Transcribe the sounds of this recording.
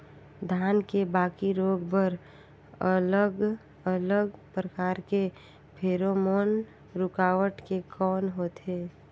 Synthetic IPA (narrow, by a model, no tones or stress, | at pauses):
d̪ʱaːnkebaːkiɾoːɡbəɾ | ələɡ | ələɡpɾəkaːɾke | pʰeːɾomoːn | ɾʊkaːʋəʈkekʰɔːnɦoːt̪eː